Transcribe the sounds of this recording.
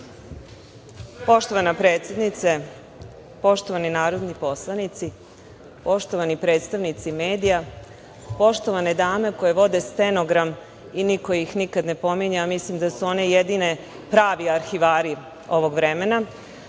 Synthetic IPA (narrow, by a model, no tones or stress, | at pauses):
po̞ʃt̪o̞ʋanapɾeːt̪sje̞d̪nit̪se | po̞ʃt̪o̞ʋaninaːɾo̞d̪nipo̞slˠanit̪si | po̞ʃt̪oʋanipɾe̞ːt̪st̪aʋnit̪simeːd̪ija | po̞ʃt̪o̞ʋaned̪aːme̞ko̞je̞ʋo̞d̪e̞st̪enoɡɾam | iniko̞ixnikad̪ne̞po̞miɲaːmislimd̪asuo̞ne̞jed̪ine̞ | pɾaːʋiaɾxiʋaːɾi | o̞ʋo̞ɡʋɾe̞me̞na